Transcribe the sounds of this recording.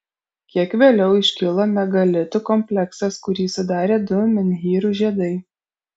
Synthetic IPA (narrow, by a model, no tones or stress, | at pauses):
kʲiɛkʋʲeːlʲɛʊɪʃʲkʲɪlˠɐnʲɛɡɐlʲɪt̪ʊkɔmʲpʲlʲɛksɐskʊɾʲiːsʊd̪ɑːɾʲeːd̪ʊmʲɪnʲɦʲiːɾuʒʲiɛd̪ɐɪ